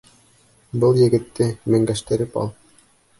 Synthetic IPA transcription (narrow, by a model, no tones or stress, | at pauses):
bɤlˠjɘ̆ɡɘ̆t̪ːɘmɘ̆ŋɡæʃt̪ɘ̆ɾɘpɑ̰lˠ